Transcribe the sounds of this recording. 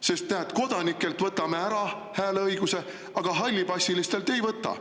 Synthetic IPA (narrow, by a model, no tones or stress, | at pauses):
se̞st̪ːeæt̪ko̞d̪̥ɑnikːˑe̞lt̪vɤt̪ːˑɑme̞æɾɑ | hæːleɤjɡuse̞ | ɑɡ̥ɑɦɑlʲːibɑsʲilist̪e̞lt̪e̞jvɤt̪ːˑɑ̰